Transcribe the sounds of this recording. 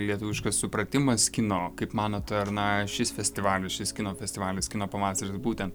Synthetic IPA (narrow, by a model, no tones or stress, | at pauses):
lʲiɛt̪ʊʋʲɪʃkɐssʊpɾɐt̪ʲɪmɐskʲɪnoːkɐɪpmɑːnoːt̪ɐɾnɐʃʲɪsfʲɛsʲtʲɪʋɑːlʲɪsʃʲɪskʲɪnoːfʲɛsʲt̪ʲɪʋɑːlʲɪskʲɪnoːpɐʋɑːsɐɾɪsbuːt̪ʲɛnt̪